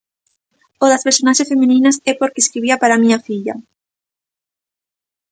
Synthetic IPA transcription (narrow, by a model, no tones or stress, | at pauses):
oðaspeɾsonaʃesfemĩnĩnasɛpoɾkeskɾiβ̞iapaɾamĩɲafiʎa̰